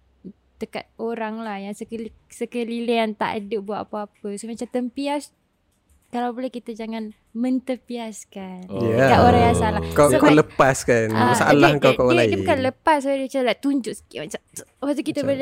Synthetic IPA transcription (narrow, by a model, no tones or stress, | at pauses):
d̪̥əka̰t̪̚oɾaŋlahjaŋsəkəlsəkəliliant̪a̰ʔa̰duʔ̚buat̪apaapəsomat͡ʃamt̪əmpias | kalawbolɛhkit̪əd͡ʒaŋan | mənt̪əpiaskanjakaʔ̪oɾajasaalakakaləpaskanasaʔalaəŋkawkalaiibukanləpasdit͡ʃalat̪uɲd͡ʒʊʔsə̥kiʔmat͡ʃampat̪ukit̪əbəle